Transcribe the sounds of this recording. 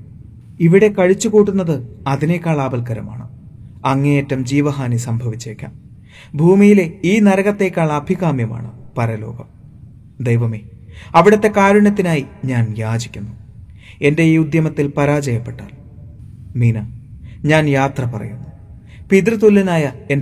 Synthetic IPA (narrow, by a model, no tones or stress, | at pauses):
iʋiɽe̞kɐɻit͡ɕːukuːʈːunːɐðɨɐðine̞kʲːaːɭaːbɐlkɐɾɐma̰ːɳɨ | ɐŋːeeːtːɐmd͡ʑiːʋɐɦaːnisɐmbʱɐʋit͡ɕːekʲːa̰ːm | bʱuːmijile̞iːnɐɾɐɣɐt̪ːe̞kʲːaːɭɐːbʱiɣaːmjɐma̰ːɳɨpɐɾɐlo̞̰ːɡɐm | d̪ejʋɐmeːɐʋiɽɐt̪ːe̞kaːɾuɳɐt̪̬ːinaːjiɲaːnjaːd͡ʑikʲːunːu | e̞nde̞ud̪jɐmɐt̪ːilpɐɾaːd͡ʑɐjɐpːe̞ʈːaːl | miːnɐɲaːnjaːt̪rɐpɐrɐ̰junːu | piðrɨt̪ulːinaːjɐe̞n